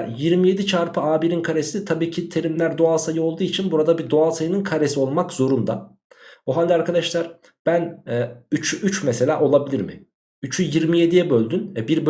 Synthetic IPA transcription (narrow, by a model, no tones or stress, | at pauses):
ɾjiɾmije̞d̪it͡ʃʰaɾpʰɯaːbiɾinkʰaɾe̞sit̪ʰabiːcʰit̪ʰe̞ɾimlʲæɾd̪o̞alˠsajɯo̞lˠd̪uːit͡ʃʰinbuɾad̪abid̪o̞alˠsajɯnɯnkʰaɾe̞sio̞lˠmakz̥o̞ɾund̪a | oɦanʲd̪iaɾkʰad̪aʃlˠaɾ | b̥ænɛːyt͡ʃʰyʔyt͡ʃmese̞lʲaːʔo̞lˠabilʲiɾmɪ̰ | yt͡ʃʰyjiɾmije̞d̪ijɛbølʲd̪ynɛbiɾb